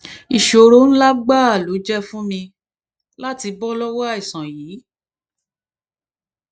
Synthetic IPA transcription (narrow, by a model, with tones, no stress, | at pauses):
i˨ʃo˨ɾo˨˦ñ̩˦la˦ɡ͡ba˦˨lo˨˦d͡ʒɛ˦fũ˦mĩ˧ | la˦ti˧bɔ˦lɔ˦wɔ˦a˦˨i˨sã˨jiː˨˦